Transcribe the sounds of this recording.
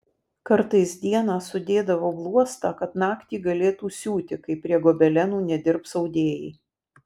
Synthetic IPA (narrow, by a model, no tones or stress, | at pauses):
kɐɾt̪ɐɪsd̪ʲiɛnɑːsʊd̪ʲeːd̪ɐʋoːblˠuɔst̪ɑːkɐt̪nɑːkt̪ʲiːɡɐlʲeːt̪uːsʲuːt̪ʲɪkɐɪpʲɾʲiɛɡoːbʲɛlʲɛnuːnʲɛd̪ʲɪɾpsɐʊd̪ʲeːjɛɪ